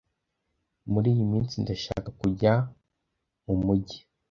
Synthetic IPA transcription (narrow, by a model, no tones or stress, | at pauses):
muɾiːjimiːnt͡sindaʃa̰ːkakuɟa | umuɟi̥